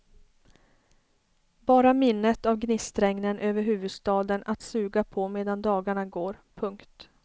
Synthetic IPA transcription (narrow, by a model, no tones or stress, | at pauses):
bɑːɾamɪnːət̪avɡnɪst̪ɾɛŋnənʔøːvəɾɦʉ̟ːvɵd̪st̪ɑːd̪ənat̪sʉ̟ːɡapʰɔmeːd̪and̪ɑːɡaɳaɡoːɾpʰɵŋkt̪